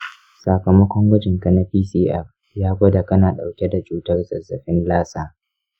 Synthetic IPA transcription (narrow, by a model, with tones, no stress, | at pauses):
sa˨kɐ˨mɐ˦kʷɔ˦ŋɡɐ˦d͡ʒɪ˨ŋkɐ˨na˦ɸiː˦siː˦ʔɛ˦ɸ | jaː˦ɡʷɐ˦da˨kɐ˦naː˨ɗa˨wkʲɛ˦da˨t͡ʃuː˦tɐ˦rzɐ˨zːɐ˨ɸɪ˦nlaː˦saː˦˨